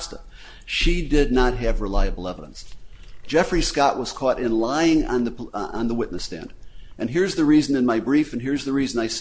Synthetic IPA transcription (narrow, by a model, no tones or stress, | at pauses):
stə̰ | ʃidɪdⁿnət̚ɦɨvɹəlaɪɨbl̩ˠɛvəɾə̰̃nsd̥ʒ̥ɛfɹiskɑʔwʌz̥kʰɔɾʔɪ̃nlaɪɪ̃ŋ̰̃nðɨə̰̃nðəwɪʔⁿnɨstæ̰̃nd̥ʔɨ̃nɦɪɹzðɨɹizɨ̃nɨ̃nmaɪbɹifɨ̃nɦɪɹzðɨɹizɨ̃naɪs